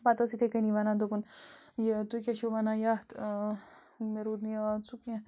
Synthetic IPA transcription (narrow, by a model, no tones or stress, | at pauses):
pat̪ɐsit̪ʰekɐniʋanad̪opunjt̪ukʲaʃoʋanajat̪ | meɾud̪nit͡sukã